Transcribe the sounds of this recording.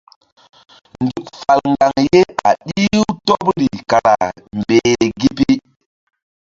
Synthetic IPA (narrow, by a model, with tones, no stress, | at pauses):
ndu˨k̚fa˨lŋɡa˨ŋje˦a̰˨ɗi˦wto˦pɾi˨ka˨ɾa˨mbe˨ɡi˦pi˦